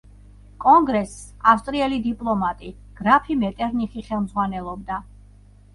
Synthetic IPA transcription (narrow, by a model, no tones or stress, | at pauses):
kʼɔŋɡɾɛsafst̪ʼɾiɛlid̪ipʼlˠɔmat̪ʼi | ɡ̥ɾapʰimɛt̪ʼɛɾniχiχɛlˠmzʁwanɛlˠɔb̚d̪a